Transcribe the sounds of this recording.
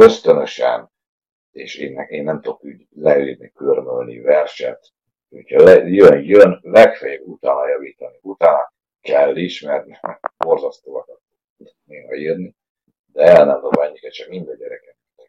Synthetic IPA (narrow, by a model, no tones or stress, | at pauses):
øst̪ønøʃɛ̰n | eːʃeːnɛeːnːɛmt̪uokyɟ | lɛiːrnikørmølnḭvɛrʃɛ̰t̪ | hochɒlɛjønjønlɛkfɛjɛbut̪aːnɒjɒviːt̪ɒniut̪aːnɒ | kɛlːiʃmɛrnibo̞rzɒst̪oːɒkɒt̪ːu | t̪neːɦɒiːrni | d̪ɛɛlnɛmd̪obaɲːikɛt̪t͡ʃɛkmind̪ɛɟɛɾɛkɛt̪ɛt̪ːɛ